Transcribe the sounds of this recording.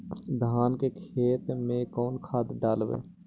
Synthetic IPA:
d̪ʱaːnkekʰeːt̪mẽkɔːnkʰaːd̪ɖaːlʋḛː

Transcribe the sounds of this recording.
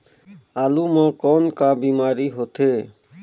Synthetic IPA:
aːluːmãːkoːnkaːbiːmaːɾiːɦoːt̪ʰeː

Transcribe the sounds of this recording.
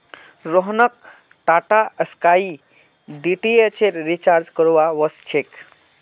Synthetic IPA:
ɾoɦnək̚ | ʈaʈaəskai | d̪iʈiet͡ʃeɾɾit͡ʃaɾd͡ʒkəɾʋaʋɔst͡ʃʰek

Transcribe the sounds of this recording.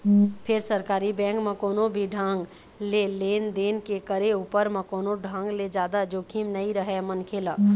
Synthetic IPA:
pʰeɾsəɾkaɾibɛ̃ŋkmekonobʱiɖʱãŋɡ | lelend̪enkekəɾeupəɾmẽkonoɖʱãŋɡled͡ʒad̪ad͡ʒokʰimnəiɾəɦɛmənkʰelə

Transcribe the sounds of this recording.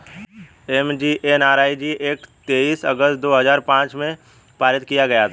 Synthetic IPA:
emd͡ʒiːʔenaːɾaːid͡ʒiʔeːkt̪eːiːsəɡəst̪̚d̪oːɦɐzaːɾpãːt͡ʃmẽ | paːɾɪt̪̚kijaɡɐjat̪ʰː

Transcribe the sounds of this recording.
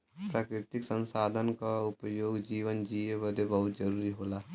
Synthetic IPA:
pɾaːkɾɪt̪ɪksə̃nsaːd̪ʱənkaʊpəjoːɡd͡ʒiːʋənd͡ʒiːeʋəd̪ebəɦʊt̪d͡ʒəɾuːɾiɦoːlaː

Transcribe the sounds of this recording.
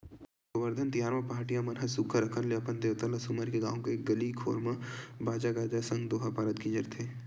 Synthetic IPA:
əʋəɾd̪ʱənt̪ɪjaːɾmɐpaːʈijãmɐnɦəsukʰːaɾɐkʰənleɐpənd̪eːʋt̪əlasumaɾkeɡã̰ːʋõkeeːk̚ɡɐlikʰo̰ːɾmabaːd͡ʒaɡaːd͡ʒasə̃ŋɡd̪oːɦapaːɾət̪̚kid͡ʒəɾt̪ʰeː

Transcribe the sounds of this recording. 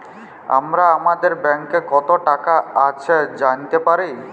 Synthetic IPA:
a̰mɾaamad̪eɾbɛŋkekɔt̪oʈakaat͡ɕʰed͡ʑant̪epaɾi

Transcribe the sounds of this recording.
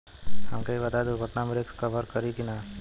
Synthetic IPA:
hɐmkeibɐt̪ad̪oɡʱəʈnameɾekskəʋəɾkəɾikina

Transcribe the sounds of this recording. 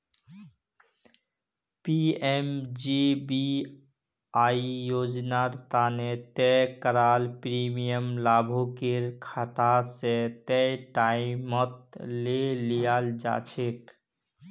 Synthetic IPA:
piemd͡ʒibi | aijod͡ʒnaɾt̪anet̪ɛkəɾaːlpɾimijəmlaːbʱukeɾkʰat̪aset̪ɛʈaimət̪̚lelijald͡ʒa̰t͡ʃʰek

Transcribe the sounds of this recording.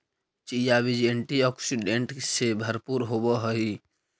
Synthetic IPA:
t͡ʃijabid͡ʒẽɳʈiɔːksiɖẽɳʈsebʱəɾpuɾɦobɔɦəi

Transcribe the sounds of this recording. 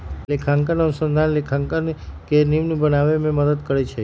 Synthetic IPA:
lekʰãŋkənənusənd̪ʱanlekʰãŋkənkeniʋnũbənaʋemẽməd̪əd̪kəɾet͡ʃʰe

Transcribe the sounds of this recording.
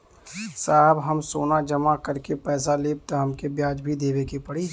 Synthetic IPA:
saːɦbɦəmsoːnad͡ʒəmakəɾkepɛːs̬aleːb̚t̪aɦɐmkebjaːd͡ʒbʱid̪eːbekipəɽi

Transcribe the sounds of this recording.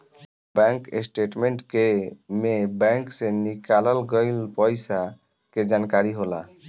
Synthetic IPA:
bɛŋkḛsʈeʈmeɳʈkemebɛŋksenikalalɡɔjlpɔjsa | ked͡ʒankaɾiɦola̰

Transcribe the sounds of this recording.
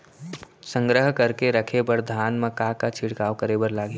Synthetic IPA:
sə̃ŋɡɾəɦkəɾkeɾəkʰebəɽd̪ʱaːnmekakat͡ʃʰiɽkaːwkəɾebəɾlaːɡe

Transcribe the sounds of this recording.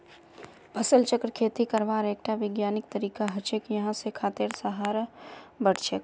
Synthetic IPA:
pʰəsəlt͡ʃəkɾkʰeːt̪ikəɾʋaːɾeːk̚ʈaʋɪɡjaːnɪk̚t̪əɾiːkaɦət͡ʃekjɐɦãsekʰaːt̪eɾsəɦaːɾbəɽ̤t͡ʃʰek

